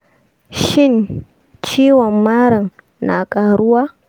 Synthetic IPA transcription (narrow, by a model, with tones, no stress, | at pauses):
ʃɪ˦˨n | t͡ʃiː˦wɔ˨mːaː˦ɽɐ˨ŋ | na̰ː˨kʼaː˨ɽʊ˦waː˦